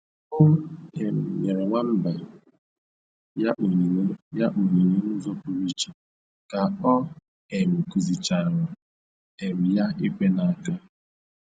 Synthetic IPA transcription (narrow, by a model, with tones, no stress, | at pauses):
ʊ˦e˨m̩˨ɲe˨ɾe˨ŋʷa˦m̩˦ba˨˦˨ | ja˦ʔu˨ɲi˨ɾi˦n̩˦zo˦pʊ˦ɾi˦t͡ʃi˨ | ka˨ɔ˦ | e˨m̩˨ku˨zi˨t͡ʃa˨ɾɔ˨ | e˨mi˨ja˦i˦kʷe˦na˨a˨ka˦